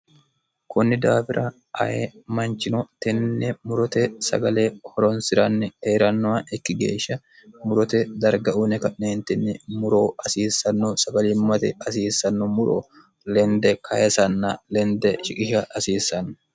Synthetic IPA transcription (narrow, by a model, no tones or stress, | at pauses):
kʊnːɪd̪aːfɪɾʔɐ | ʔɐ̰jemɐnt͡ʃɪnɔt̪ɛnːɛmʊɾɔt̪ɛsɐ̰ɡɐleːhɔɾɔnsɪɾɐnːɛheːɾɐnːɔwaʔɪkːɪɡḛːʃːɐ | mʊɾɔt̪ɛd̪ɐɾɡɐʔunɛkɐʔneːnt̪ɪnːɪmʊɾoːɐsiːsːɐnːɔsɐɡɐliːmːɐt̪ɛɐsiːsːɐnːɔmʊɾo̰ː | lɛnd̪ɛkʰɐjɛsɐnːɐlɛnd̪ɛʃɪkʼɪʃɐɐsiːsːɐnːɐ̥